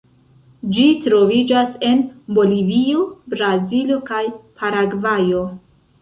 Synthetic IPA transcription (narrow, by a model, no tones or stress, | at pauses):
d͡ʒitɾo̞vid͡ʒase̞nbo̞livio̞bɾazilo̞kajpʰaɾaɡvajo̞